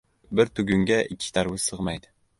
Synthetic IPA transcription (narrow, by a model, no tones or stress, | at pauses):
bɪɾt̪ʰøɡʲyŋɡʲɛʔikʲʰːi̥t̪ʰæɾwɪz̥səʁmajd̪ɪ